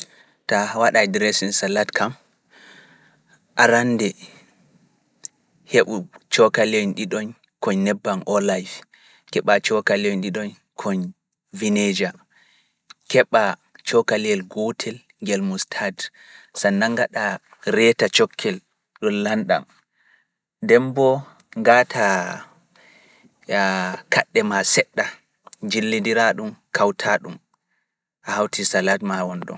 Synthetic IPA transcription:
tawaɗajdɾɛsinsalatkʰam | ʔaɾandɛ | heɓut͡ʃɔkalɔnɗiɗɔn | kɔɲnɛbːanʔɔlajf | kɛɓat͡ʃɔkaliɔnɗiɗɔn | kʰɔɲ | vined͡ʒa | kɛɓat͡ʃɔkaliɛlɡɔtʰɛl | ŋɡɛlmustʰad | sanːaŋɡaɗa | ɾɛtat͡ʃɔkʰːɛl | ɗɔnlanɗa̰m | dɛmbɔ | ŋɡatʰa | kaɗːɛmasɛɗːa | d͡ʒilːidiɾaɗumkʰawtʰaɗum | ʔahawtʰisaladmawɔnɗɔ̰m

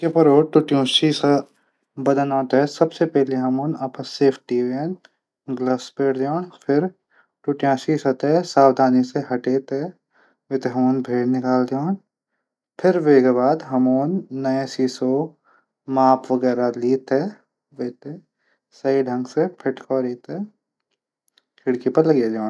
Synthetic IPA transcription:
kepɐɾoːʈʊʈijõːʃiːsa | bɐd̪ənãːt̪ɦɛsɐbsepɛɦleɦɐmoːnɐpseːfʰʈiːʋen | ɡlɐspeːɽd̪joːnpʰɪɾ | ʈʊʈjãːʃisɐt̪esaːwd̪ʱaːniseɦɐʈeːt̪ɦɛ | ʋɪt̪eɦɐmoːnbʱeːɽnɪkaːld̪joːn | pʰɪɾʋeːɡabaːd̪ɦɐmoːnːɐẽsiːso | maːpʋɐɡɛːɾaliːt̪ɛ | ʋeːt̪e | sɐiɖʱɐ̃ŋɡsepʰɪʈkɔːɾiːt̪ɛ̃ | kʰɪɽkipɐɾlɐɡjed͡ʒãːn

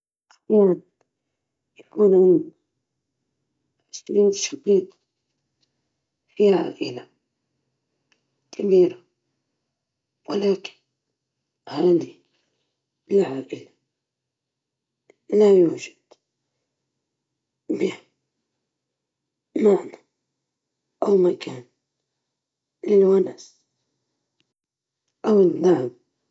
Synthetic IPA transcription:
ʔajaan | jakuːnʔɪn | ħasait̪ʃabiːt̪ | fiʕa̰ːʔɪla | kʰabiːɾa | walaːkɪ̥n | haːd̪i | lɪʕaːʔɪla | lajuːʒḁd̪̥ | bɪha | maʕna | ʔawmakʰaːn | lɪlwanas | ʔawɪd̪aʕm

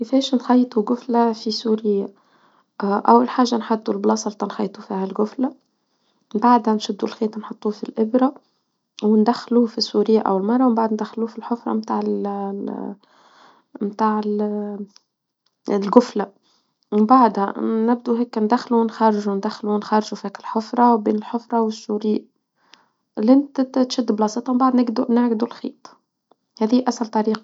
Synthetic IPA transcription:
kɪfɛːʃnxɑjt̪ˤuɡʊflafisuːɾɪjːa | ʔæ̰wːalħaːʒːanħʊt̪ːˤulblɑːsˤɑlt̪ːˤɑnxɑjt̪ˤufiːhælɡʊfla | mbaʕd̪hænʃʊd̪ːulxeːt̪ˤnħot̪ˤːuːfilʔɪbɾɑ | wnd̪æxːlufisːuɾɪjːaʔæ̰wɪlmɑrˤːɑwmbaʕd̪nd̪æxːluːfilħʊfɾˤɑ̰mt̪aːʕɪl | mt̪aːʕɪl | lɡʊfla | ɪmbaʕd̪hanɪb̚d̪uɦeːknd̪æxːluwnxɑɾˤːʒund̪æxːluwnxɑɾˤʒufhæːkɪlħʊfɾˤɑbeːnɪlħʊfɾˤɑwɪsːuːɾɪjːa | lɪnt̪t̪ʃɪd̪ːblɑsˤɨt̪ˤhmbaʕd̪nɪɡd̪unaʕɡɪd̪ulxiːt̪ˤ | hæːðiːʔæsælt̪ˤɑɾiːqɑ

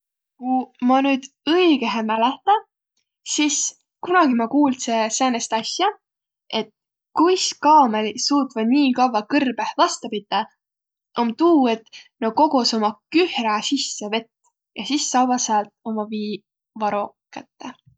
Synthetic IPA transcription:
kumɑnyːd̪̥ | ɤiɡ̥eɦemæleht̪ɑ | sis | kunɑɡ̥imɑkuːlseseːnest̪ɑsjɑ | e̞t̪ | kujskɑːmelisuːt̪vɑd̪niːkɑwvɑkɯrb̥ehvɑst̪ɑpid̪̥ːɑ | ʔomt̪uːe̞t̪noko̞ɡ̥uso̞mɑkyhɾɑsisːeve̞t̪ː | jɑsisːɑwvɑsɑlt̪̚o̞mɑviː | vɑɾo̞ | kæt̪ːe

